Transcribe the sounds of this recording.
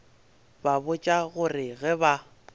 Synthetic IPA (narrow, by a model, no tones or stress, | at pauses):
babʊt͡ʃʼaɣʊrɪɣɛba